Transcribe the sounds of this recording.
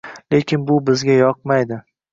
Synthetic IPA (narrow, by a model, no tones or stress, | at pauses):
le̞kʲʰɪnbʊbɪzɡʲajɒq̚majd̪ɪ